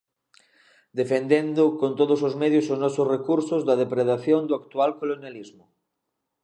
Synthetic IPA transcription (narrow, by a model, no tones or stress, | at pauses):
d̪efend̪end̪ʊkont̪oð̞osozmeðjosoznɔsosrekuɾsozðɐð̞epɾeðaθjoŋd̪oakt̪ualkolonjalizmʊ